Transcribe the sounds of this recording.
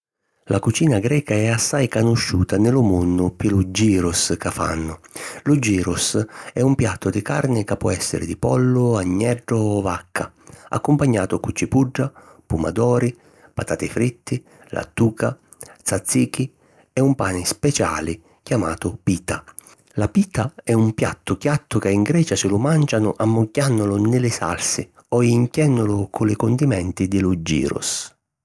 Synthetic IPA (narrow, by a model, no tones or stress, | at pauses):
lʔakut͡ʃiːnaɡɾɛːkaɛasːajkanʊʃːuːt̪anɪlʊmonːʊpilʊd͡ʒiːɾʊskafa̰nːʊlʊd͡ʒːiːɾʊsɛumpjat̪ːʊd̪ɪkaɾnɪkapːwɔ̰ɛsːɪ̰ɾɪ̰d̪ɪpɔlːʊaɲːɛɖːʊɔvakʰːaa̰kːʊmpaɲːaːt̪ʊkʊt͡ʃːipuɖːa | puma̰d̪ɔːɾi | pat̪aːt̪ɪfɾit̪ːɪ | lʔa̰t̪ːuːka | t̪sat̪sːiːki | ɛumpaːnɪspɛt͡ʃa̰ːlɪ | kjama̰ːt̪ʊpiːt̪a | lapiːt̪aɛumpja̰t̪ːʊkjat̪ːʊkaiŋɡɾɛːt͡ʃasɪlʊmant͡ʃanʊʔamːʊkːanːʊlʊnɪlɪsa̰lsɪ | ɔiŋkjɛnːʊlʊkʰʊlɪkʊnd̪imɛnt̪ɪd̪ɪlʊd͡ʒːḭːɾʊ̰s